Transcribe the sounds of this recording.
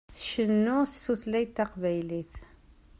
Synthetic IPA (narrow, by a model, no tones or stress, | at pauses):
θʃənːʊst̪ːuθlæjt̪ːæqvæjliθ